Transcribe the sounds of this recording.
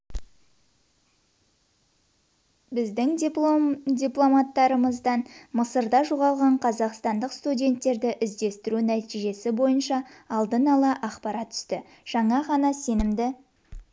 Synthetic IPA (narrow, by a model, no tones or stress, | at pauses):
bɪzd̪ɪŋ | dʲijplˠo̞mɑt̪ːɑɾəməzd̪ɑnməsəɾd̪ɑʒoʁɑlˠʁɑɴqʰɑzɑqst̪ɑnd̪əqst̪udʲe̞nt̪ːe̞ɾd̪ɪʔɪzd̪e̞st̪ɪɾunæt̪iʒe̞sɪbo̞jənʃɑɑlˠd̪ənɑlˠɑʔɑqpɑɾɑt̪ʰːʏ̥st̪ɪ | ʒ̥ɑɴɑʁɑnɑse̞nɪmd̪ɪ